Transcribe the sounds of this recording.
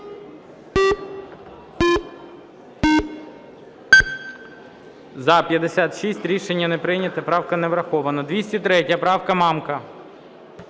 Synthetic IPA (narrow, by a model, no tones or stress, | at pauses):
zɐpʲjɐd̪esʲat̪ʃisʲtʲɾʲiʃenʲːɐnepɾɪnʲɐt̪ɐpɾɑwkɐneʋɾɐxɔʋɐnɐd̪ʋʲisʲtʲit̪ɾɛtʲjɐpɾɑwkɐmɑmkɐ